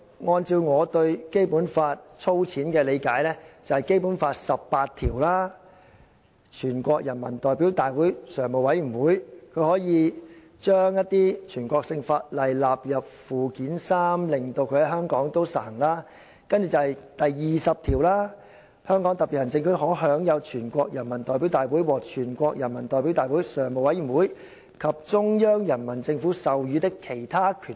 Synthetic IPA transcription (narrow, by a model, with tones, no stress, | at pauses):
ŋɔː˧nt͡siː˧wŋɔː˨˧t̪ɵ˧ɥke˥jpuː˨˥nfaː˧t̚t͡sʰo˥wt͡sʰiː˨˥nkɛː˧le˨˧jkaː˨˥jlɛː˥t͡sɐ˨whɐ˨˩jke˥jpuː˨˥nfaː˧t̚sɐ˨ppːaː˧t̚t̪ʰiː˨˩wlaː˥ | t͡ʃʰyː˨˩nkʷɔː˧k̚jɐ˨˩nmɐ̰˨˩nt̪ɔː˨jpiː˨˥wt̪aː˨jwuː˨˥jsœː˨˩ŋmo˨wɐ˨˥jy˨˩nwuː˨˥jkʰɵ˨˧ɥhɔː˨˥jiː˨˧ | t͡ʃœː˥ŋjɐ˥t̚t̪iː˥t͡ʃʰyː˨˩nkʷɔː˧k̚sɪ˧ŋfaː˧t̚lɐ˨jlaː˨p̚jɐ˨p̚fuː˨kiː˨˥nsaː˥mlɪ˨ŋt̪o˧wkʰɵ˧hɐ˨˥ɦœː˥ŋkɔː˨˥ŋt̪o˥wsaː˨˩ŋlaː˥ | kɐ˥nt͡ʃyː˨t͡sɐ˧hɐ˨jt̪ɐ˨jːiː˨sɐ˨p̚t̪ʰiː˨˩wlaː˥ | hœː˥ŋkɔː˨˥ŋt̪ɐ˨pi˨t̚hɐ˨˩nt͡sɪ˧ŋkʰɵ˨˧hɔː˨˥ɦœː˨˥ŋjɐ˨˧wt͡ʃʰyː˨˩nkʷɔː˧k̚jɐ˨˩nmɐ˨˩nt̪ɔː˨jp̬i˨˥wt̪aː˨jwuː˨˥jwɔː˨˩t͡ʃʰyː˨˩nkʷɔː˧k̚jɐ˨˩nmɐ˨˩nt̪ɔː˨jpi˨˥wt̪aː˨jwuː˨˥jsœː˨˩ŋmo˨wɐ˨˥jyː˨˩nwuː˨˥j | kʰɐ˨p̚t͡ʃʊ˥ŋjœː˥ŋjɐ˨˩nmɐ˨˩nt͡sɪ˧ŋfuː˨˥sɐ˨wjyː˨˧t̪ɪ˥kʰːe˨˩jt̪ʰaː˥kʰyː˨˩